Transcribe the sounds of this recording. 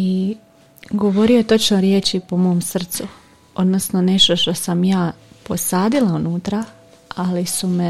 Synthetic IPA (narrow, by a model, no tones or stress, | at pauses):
i | ɡo̞ʋo̞ɾiot̪o̞t͡ʃno̞ɾjeːt͡ɕipo̞mo̞ːmsr̩t̪su | o̞d̪no̞sno̞ne̞ʃt̪o̞ʃt̪o̞samjaːpo̞saːd̪ilˠaunuːt̪ɾa | alisume